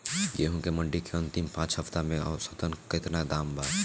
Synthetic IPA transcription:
jeːɦũkemɐ̃ɳɖikeɐ̃nt̪ɪmpãːt͡ʃɦɐft̪amẽɔːɾsɐt̪ənkɪt̪nad̪aːmbaː

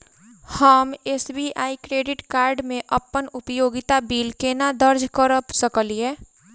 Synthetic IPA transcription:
həmeːsbiːʔaːikɾeːɖɪʈkaːɾɖmẽʔəpːənʊpjoːɡɪt̪abiːlkenad̪əɾd͡ʒkəɾəpsəkəlieː

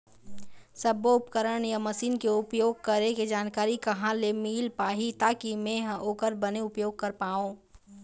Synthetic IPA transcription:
səboʊpkəɾəɳjaməsiːnkeʊpjoːɡ̚kɐɾẽked͡ʒaːnkaːɾikɐɦãlemiːlpaːɦit̪aːkimẽɦãʔoːkəɾbəneʊpjoːɡ̚kɐɾpaːõ

